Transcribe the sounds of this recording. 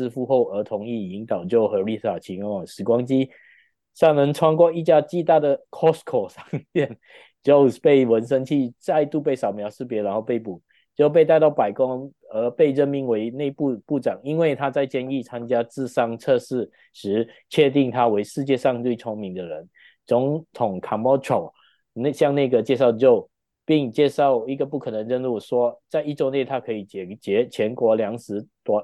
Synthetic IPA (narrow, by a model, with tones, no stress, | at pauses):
ɹ̩˥˧fu˥˧xo˥˩ʊə˞˧˥t̪ʰʊ˧˥ŋi˥˩i˧˥ŋt̪ɑ˨˩ʊt͡ɕjo˥˩ʊxɤ˧˥li˥˧˩sa˨˩t͡ɕʰi˧˥ŋ˥ŋɑ˨˩ʂɻ̩˨˩kwa˥ŋt͡ɕi˥ | sɑ˥˩ŋnə˧˦ŋʈ͡ʂʰwa˥ŋkwɔ˥˧i˥˧t͡ɕja˥˧t͡ɕi˥˧t̪a˥˩d̪ə˨˩kʰɔ˥˩skʰɔ˨˩sɑ˥ŋjɛ˥˩n | t͡ɕjo˥˧ʊpe˥˩ɪwə˧˥nʂ̬ə˥ŋt͡ɕʰi˥˧t͡sa˥˧ɪt̪u˥˧pe˥˩ɪʂɑ˨˩ʊmjɑ˧˥ʊʂɻ̩˥˩pjɛ˧˥ɻa˧˥nxo˥˧pe˥˩ɪpu˨˩ | t͡ɕjo˥˧ʊp̬e˥˧ɪt̪a˥˧ɪt̪ɑ˥˩ʊpa˨˩ɪkʊ˦˥ŋ | ə˧˥pe˥˧ɪɻə˥˩nmi˧˥ŋwe˧˥ɪne˥˧ɪpu˥˧pu˥˩ʈ͡ʂɑ˨˩ŋi˥nwe˥˩ɪt̪ʰa˥t͡sa˥˧ɪt͡ɕjɛ˥˧ni˥˩t͡sʰa˥nt͡ɕja˥t͡sɹ̩˥˧sɑ˥ŋt͡sʰɤ˥˧ʂɻ̩˥˩ | ʂɻ̩˧˥t͡ɕʰɥɛ˥˧t̪i˥˩ŋt̪ʰa˥we˧˥ɪʂɻ̩˥˧t͡ɕjɛ˥˧ʂɑ˥˧ŋt͡swe˥˩ɪt͡sʰʊ˥ŋmi˨˧˦ŋd̪ə˨ɻə˧˦n | t͡sʊ˧˥ŋt̪ʰʊ˨˩ŋkʰa˨˩mɔ˥ʈ͡ʂʰo˨˩ʊ | n˥˧ɕjɑ˥˧ŋna˥˩ɡə˩t͡ɕjɛ˥˧ʂ̬ɑ˥˩ʊd͡ʑjo˥˧ʊ | pi˥˧ŋt͡ɕjɛ˥˧ʂɑ˥˩ʊi˧˥ɡə˨pu˥˩kʰɤ˨˩nə˧˦ŋɻə˥nɻu˥˩ʂwɔ˥t͡sa˥˧ɪi˥˩ʈ͡ʂo˥˧ʊne˥˩ɪt̪ʰa˥kʰɤ˧˥i˨˩t͡ɕɛ˨˩t͡ɕjɛ˧˥t͡ɕʰjɛ˧˥nkwɔ˧˥ljɑ˧˥ŋʂɻ̩˧˥˦t̪wɔ˧˥